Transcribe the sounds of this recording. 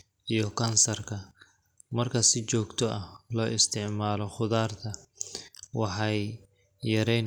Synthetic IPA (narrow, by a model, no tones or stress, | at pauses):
ʔijɞkʰɐnsɐrkʰɐ | mɐrkʰɐsɪt͡ʃɔːɡt̪ʰɔɐhlɔːʔɪst̪ʰɪʕmaːlɔχʊðaːrt̪ʰɐ | wɑħɑj | jɐɾɛjn